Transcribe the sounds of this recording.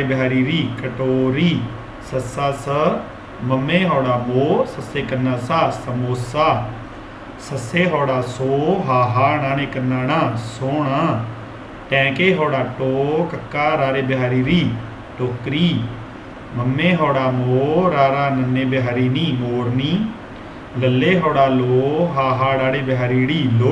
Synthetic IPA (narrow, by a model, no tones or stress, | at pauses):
ebɪɦaːɾiːɾiːkəʈoːɾiː | səsaːsə | məmːẽːɦɔːɽaːmoːsəseːkənːãːsaːsəmoːsaː | səseːɦoːɽaːsoːɦaːɦaːnaːneːkənːaːnãːsoːɳaː | ʈɛ̃ːkeːɦoːɽaːʈoːkəkːaːɾaːɾeːbɦaːɾiːɾiː | ʈoːkɾiː | məmːeːɦoːɽaːmoːɾaːɾaːnənːẽːbɪɦaːɾiːniːmoːɾniː | ləlːeːɦoːɽaːloːɦaːɦaːɽaːɽeːbɪɦaːɾiːɽiːloː